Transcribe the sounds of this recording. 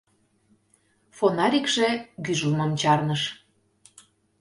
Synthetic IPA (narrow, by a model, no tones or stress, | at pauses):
fonɑɾʲikʒ̥eɡyʒəlməmt͡ɕɑrnəʃ